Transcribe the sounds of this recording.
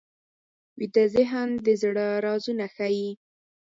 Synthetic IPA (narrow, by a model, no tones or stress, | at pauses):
wit̪azɪɦand̪əzɽaɾɑzunaxaji